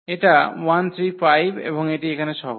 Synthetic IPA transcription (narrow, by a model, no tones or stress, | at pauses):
eʈawant̪ʰɾifajbʱḛboŋeʈiekʰaneʃɔɦo